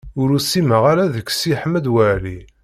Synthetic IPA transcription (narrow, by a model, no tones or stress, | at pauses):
ʊɾusːiməʁaɾaðəkːsiħəməd̪wæʕli